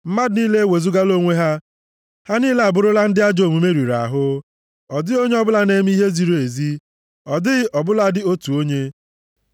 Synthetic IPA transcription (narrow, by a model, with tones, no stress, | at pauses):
m̩˦ma˦dni˦le˦e˦we˨zu˦ɡa˦lo˦ŋʷe˦ɦa˦ | ha˦niː˦le˦a˨bʊ˦ɾʊ˦la˦n̩˦dɪ˦a˦d͡ʒo˨mu˨me˦ɾi˨ɾa̰˨ɦʊ˦ | ɔ˨dɪ˦o˦ɲe˦ɔ˦bʊ˦la˦ne˦m˦i˦ɦe˦zi˨ɾo˨e˨zi˦ | ɔ˨dɪ˦ɣʔɔ˨bʊ˦la˦dɪ˦o˦tu˨o˦ɲe˦